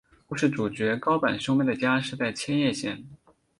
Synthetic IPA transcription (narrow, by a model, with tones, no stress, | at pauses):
pu˥˧ʂɻ̩˥˩ʈ͡ʂu˨˩t͡ɕɥɛ˧˥kɑ˥ʊpa˨˩nɕjo˥ʊmɛ˥˩nd̪ə˩t͡ɕja˥ʂɻ̩˥˧t͡sa˥˩ɪt͡ɕʰjɛ˥njɛ˥˧ɕjɛ˥˩n